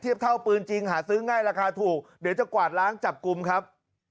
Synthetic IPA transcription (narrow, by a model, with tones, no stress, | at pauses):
t̪ʰi˥˩əp̚t̪ʰa˥˩wpɯː˧nt͡ɕi˧ŋɦaː˩˦sɯː˦˥ŋaː˥˩jɾaː˧kʰaː˧t̪ʰuː˨˩k̚di˩˦wt͡ɕa˨˩kwaː˨˩t̪̚ɾaː˦˥ŋt͡ɕa˨˩p̚ku˧mkʰɾa˦˥p̚